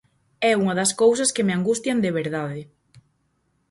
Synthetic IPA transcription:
ɛuŋɐðɐskowsɐskemeaŋɡust̪jand̪eβ̞eɾðaðɪ

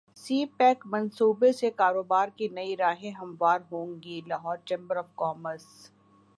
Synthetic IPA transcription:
siːpɛːkmɐ̃nsuːbesekaːɾoːbaːɾkinɐiɾaːɦẽɦɐ̃mʋaːɾɦõːŋɡilaːɦɔːɾt͡ʃẽːmbəɾɔːfkɔːməɾs

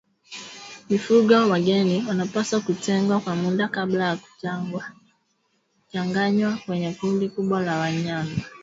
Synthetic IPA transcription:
mifuɡawaɡɛniwanapasakutɛŋɡwakwamudakablajaku̥wa | t͡ʃaŋɡaɲwakwɛɲɛkundikuɓwalawaɲaŋa

